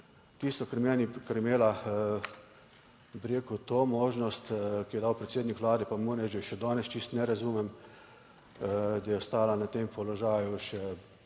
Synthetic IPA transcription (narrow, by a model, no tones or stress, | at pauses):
t̪iːst̪ɔkaɾmɛːnikaɾɛmeːla | biɾeːkut̪oːmoːʒnɔst̪kijɛd̪aːwpɾɛt̪seːd̪nikʋlaːd̪ɛpamunɛʒɛʃɛd̪ɔːnɛst͡ʃist̪nɛɾazumɛm | d̪ajɛɔst̪aːlanat̪eːmpɔlɔʒaːjuʃɛ